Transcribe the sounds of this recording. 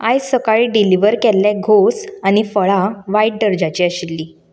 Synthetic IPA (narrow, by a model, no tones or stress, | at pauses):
ajsəkaɭiːɖiliʋəɾkɛlːɛɡʱosañifəɭaʋaiɖ̚ɖəɾd͡ʑat͡ɕiːəɕilːiː